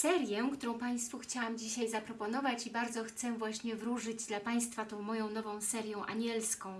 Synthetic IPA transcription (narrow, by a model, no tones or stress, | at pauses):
sɛɾjɛkt̪uɾɔ̃w̃paj̃st̪fuxt͡ɕawamd͡ʑiɕajzapɾɔpɔnɔvat͡ɕibaɾd̪zɔxt̪sɛvwaɕɲɛvɾuʐɘd͡ʑd̪lapaj̃st̪fat̪ɔ̃w̃mɔjɔ̃w̃nɔvɔ̃w̃sɛɾʲjɔ̃w̃ʔa̰ɲɛlskɔ̃w̃